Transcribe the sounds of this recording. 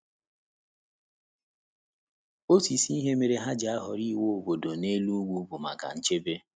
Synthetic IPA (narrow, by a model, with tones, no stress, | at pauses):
o˦si˨si˦ɦe˦me˨ɾe˨ɦa˦d͡ʒa˨a˦ɦɔ˨ɾi˦˨wo˦o˨bo˨do˨ne˦lu˦ɡʷu˦bʊ˨ma̰˨ka̰˨n̩˦t͡ʃe˦be˦